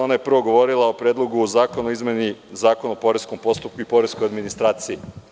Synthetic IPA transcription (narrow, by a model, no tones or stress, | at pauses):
onaje̞pr̩ʋo̞ɡo̞ʋo̞ɾilˠaopɾjeːd̪lˠo̞ɡuzaːko̞noizme̞nizaːko̞nopo̞ɾesko̞mpo̞st̪up̚kuipo̞ɾesko̞jad̪minist̪ɾaːt̪sii